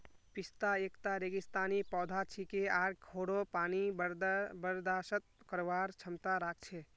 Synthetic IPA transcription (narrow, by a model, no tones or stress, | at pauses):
pist̪aekt̪aɾeɡist̪anipɔd̪ʱat͡ʃʰikeaɾɡʰʱoɽopanib̪bəɾd̪asət̪̚kəɾʋaɾt͡ʃʰəmt̪aɾak̚ʰt͡ʃʰɛ